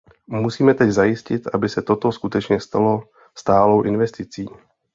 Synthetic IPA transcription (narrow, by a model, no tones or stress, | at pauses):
musiːmɛt̪ɛɟzajɪscɪt̪ʔabɪsɛt̪o̞t̪o̞skut̪ɛt͡ʃɲɛst̪alo | st̪aːlo̞wʔɪnvɛst̪ɪt͡siː